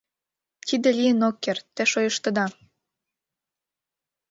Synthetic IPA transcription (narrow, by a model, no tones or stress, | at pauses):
t̪id̪ĕlʲiənokːert̪ːĕʃojəʃt̪ə̆d̪ɑ